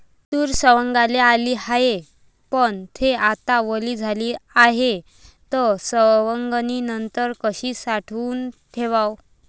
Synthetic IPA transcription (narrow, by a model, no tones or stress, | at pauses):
t̪uːɾsəʋəŋɡalealiːhaje | pəɳt̪ʰeat̪aʋəliːd͡zʱaliːaɦe | t̪əsəʋəŋɡninənt̪əɾkəɕiːsaʈʰuːnt̪ʰeʋaw